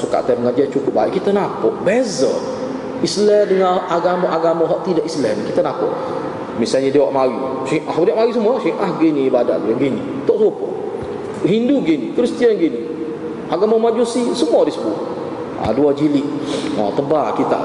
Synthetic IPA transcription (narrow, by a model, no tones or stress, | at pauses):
suka̰ʔt̪aməŋad͡ʒat͡ʃukʊp̚baiʔkit̪anapɔʔbɛzə | islɛdəŋaaɡamaʔaɡamaɦɔʔt̪idaʔislɛnkit̪anapɔ̰ʔ | misalɲədiwaʔmaɾi | siʔahbdiaʔmaɣis̬əmuasiʔahɡiniːbada̰ʔɡəaɡinḭ | t̪ɔʔsupʊ̰ʔ | ɦinduɡinikɾist̪ianɡini | aɡamamad͡ʒusisəmuadisəbu | a̰duad͡ʒiliʔa̰t̪əbakit̪a̰ʔ